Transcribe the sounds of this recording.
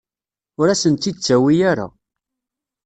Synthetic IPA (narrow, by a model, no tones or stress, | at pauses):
ʊɾæsənt̪ːid̪t͡sːæwijaɾa̰